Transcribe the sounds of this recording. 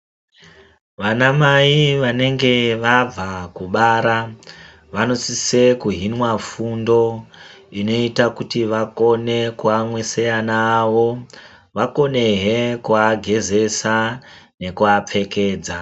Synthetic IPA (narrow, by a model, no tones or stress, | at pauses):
ʋanamaiʋane̞ŋɡe̞ʋab͡vakuɓaːɾa | ʋano̞sise̞kuɦinwafundo̞ | ino̞itakutiʋako̞ne̞kuamwesejanaʋo̞ | ʋako̞ne̞ɦekuaɡʱe̞ze̞sane̞kuap͡fe̞ke̞ːd͡za